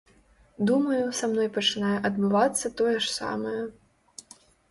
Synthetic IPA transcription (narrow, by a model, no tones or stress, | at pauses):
d̪umɐjusamnɔjpɐt͡ʂɨnajɛʔɐd̪bɨvat̪sːɐt̪ɔjɛʂsa̰mɐjɐ